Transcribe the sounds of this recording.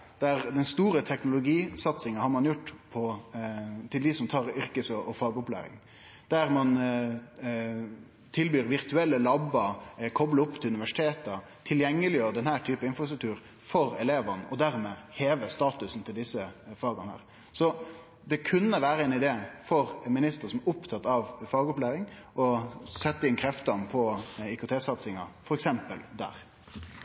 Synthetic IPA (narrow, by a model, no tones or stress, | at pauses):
d̪̥æɾd̪ɛnst̪uːɾət̪ʰɛknʊlʊɡiːsɑt̪sɪŋəɑnhɑɾmɑnjʊʈːpʰɔ | t̪ʰɪld̪ɪsɔmt̪ʰɑːɾʏɾkəsɔʔɔfɑːɡɔplæ̰ːɾɪ̰ŋ | d̪̥æɾmɑn | t̪ʰɪlbyːɾʋɪɾt̪ʉɛlːəlɑbɑkʰɔbləʊpːt̪ʰɪlʉnɪʋæʂɪ̥t̪ʰeːt̪ə | t̪ʰɪljɛŋːəlɪjøːɾəd̪ɛnhæːʈ̪ʰyːpəɪnfɾɑst̪ɾʉk̚t̪ʉːɾ | fɔɾɛleːʋənʔɔd̪æɾmeːheːʋəst̪ɑːt̪ʉsn̩t̪ʰɪld̪ɪsːəfɑːɡɑnhæ̰ːɾ | sɔ | d̪ɛkʰʉnːəʋæːɾəɛnɪd̪eːfɔɾmɪnɪst̪əɾəsɔmɛʊpt̪ʰɑt̪ːɑʋfɑːɡɔplæːɾɪŋʔɔsɛt̪ːəɪnkʰɾɛft̪ɑnpʰɔɪkʊt̪ʰeːsɑt̪sɪŋɑ̰fɔɾɛksɛmpəld̪æ̰ːɾ